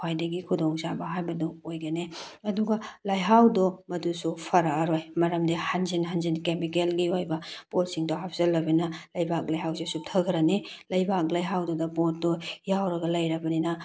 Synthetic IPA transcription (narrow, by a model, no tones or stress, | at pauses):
kʰajdɐɡikʰudɔŋzabɐɦajbɐduojɡɐneɐduɡalajɦawdɔmɐdusupʰɐɾaɾojmɐɾɐmdihanzinɦanzinkemikelɡiojbɐpot̚siŋdɔɦap̚zɐlːɐbenɐlɐjbʱak̚lajɦawsesup̚tʰɐkʰɾɐnilɐjbak̚lɐjɦawdɔdɐpɔt̚dɔjawɾɐɡɐlɐjɾɐbɐninɐ